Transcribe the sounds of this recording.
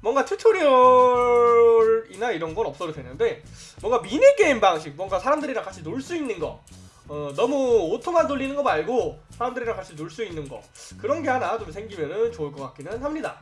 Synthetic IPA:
mwʌŋɡat͡ɕʰut͡ɕʰoɾiʌ | ɾinaiɾʌnɡʌnʌp̚s͈ʌɾodwenɯnde̞ | mwʌŋɡaminek͈e̞imbaŋɕʰik̚mwʌŋɡasʰaɾamdɯɾinakat͡ɕʰinoɭs͈uinːɯnɡʌ̰ | ʌnʌmuotʰomandoʎːinɯnɡʌbaɭɡosʰaɾamdɯɾinakat͡ɕʰinoɭs͈uinːɯnɡʌ̰ | kɯɾʌnɡe̞hanat͡ɕomsʰe̞ŋɡimjʌnɯnt͡ɕoɯɭk͈ʌk͈ak͈inɯnhamɲida̰

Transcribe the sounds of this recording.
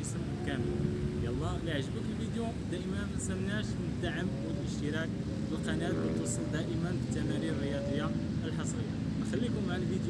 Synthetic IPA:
əsəmkæməljælˤːɑliʕʒəbəkəlfid̪ju | d̪æʔəmænmæsæmnæʃ | nəd̪ːaʕəmwəlʔəʃt̪əɾæk̚ | wəlqɑnæt̪lit̪wɑsˤəld̪æʔəmənbət̪ːæmæɾiɾːəjɑd̪ˤəjːa | ʔəlħɑsˤɾəjːa | nxælːikʊmʕlfid̪j

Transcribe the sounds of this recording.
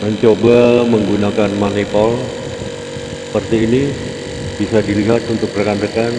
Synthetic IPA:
məɲt͡ʃobaməŋɡunakanmanipɔl | ssə̥pərt̪iːni | b̥isadiliɦat̪unt̪ʊk̚rəkandəkan

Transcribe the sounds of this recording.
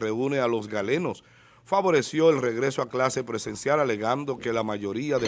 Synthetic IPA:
reunealo̞zɣale̞no̞s | faβo̞ɾe̞sjo̞elre̞ɣɾe̞soaklase̞pɾese̞nsjalale̞ɣand̪o̞ke̞lamaʝo̞ɾiaðe

